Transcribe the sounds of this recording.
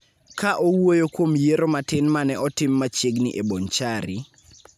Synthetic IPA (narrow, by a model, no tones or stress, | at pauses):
kaʔowojokwomjeɾomatɪnmanɛʔɔtɪmːat͡ʃeɡnɪʔebont͡ʃaɾɪ